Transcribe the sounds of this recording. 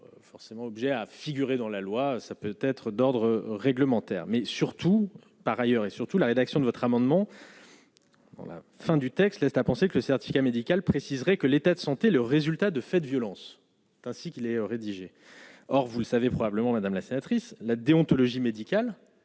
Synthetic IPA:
fɔʁsemɑ̃ɔbʒɛafiɡʲyʁed̪ɑ̃lalwasapøt̪ɛt̪χəd̪ɔʁd̪ʁəʁɛɡləmɑ̃t̪ɛ̰ːʁmɛsyʁt̪u | paʁajœʁesyʁt̪ulaʁed̪aksjɔ̃d̪əvɔt̪χamɑ̃d̪mɑ̃ | d̪ɑ̰̃la̰ | fɛ̃d̪yt̪ɛkst̪lɛst̪apɑ̃sekələsɛʁt̪i̥fi̥kʲamed̪ikʲalpχesizʁɛkəlet̪ad̪əsɑ̃t̪eləʁezylt̪ad̪əfɛd̪əvjɔlɑ̃s | t̪ɛ̃sikʲilɛʁed̪iʒe | ɔʁvuləsavepχɔbabləmɑ̃mad̪amlasenat̪χislad̪eɔ̃t̪ɔlɔʒimed̪ikʲal

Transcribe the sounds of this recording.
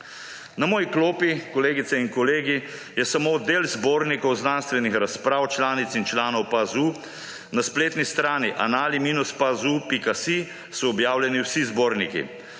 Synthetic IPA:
namoːjikloːpikɔleːɡit̪sɛinkɔleːɡi | jɛsamoːd̪eːlzboːɾnikɔwznanst̪ʋɛnixɾaspɾaːwt͡ʃlaːnit̪sint͡ʃlaːnɔwpazu | naspleːt̪nist̪ɾaːniʔa̰naːlimiːnuspazupikasi | sɔːbjaːwljɛniwsizboːɾnikḭ

